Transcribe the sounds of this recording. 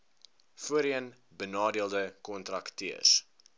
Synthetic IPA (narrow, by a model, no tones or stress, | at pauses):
fuəɾiən | bənɑːdiəlˠdəkɔntrɐktiəs